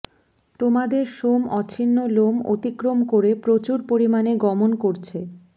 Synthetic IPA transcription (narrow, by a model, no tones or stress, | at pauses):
t̪omad̪eɾʃomɔt͡ɕʰinːolomo̰t̪ikɾomkoɾepɾot͡ɕuɾpoɾimaneɡɔmonkoɾt͡ɕʰe